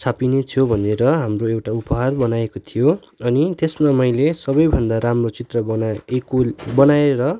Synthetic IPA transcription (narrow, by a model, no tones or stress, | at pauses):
t͡sʰapinet͡sʰobʱʌneɾʌɦamroewʈaupʌɦarbʌnajekot̪ʰijo | ʌnit̪esmamʌjlesʌbʌjbʱʌnd̪aɾamrot͡sit̪rʌbʌekobʌnaeɾʌ